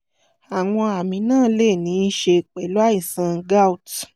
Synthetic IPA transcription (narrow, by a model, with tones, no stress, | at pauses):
a˨w̃ɔ̃˧a˨mĩ˨nãː˦˨˦le˦˨nĩ˨˦ʃe˧˨k͡pɛ˨lu˦a˦i˦˨sã˧ɡa˦wt